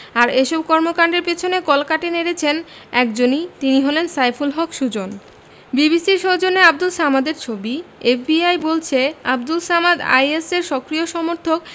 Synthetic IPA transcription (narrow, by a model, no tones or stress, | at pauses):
aɾeʃɔb̚kɔɾmokaɳɖeɾpet͡ɕʰonekɔlkaʈeneɾet͡ɕʰenɛkd͡ʑonit̪iniɦɔlensajfʰulɦɔkʃud͡ʑon | bibisiɾʃod͡ʑoneab̚d̪ulsamad̪eɾt͡ɕʰobiefbiajbolt͡ɕʰeab̚d̪ulsamad̪a̰jeseɾʃɔkɾioʃɔmoɾt̪ʰok̚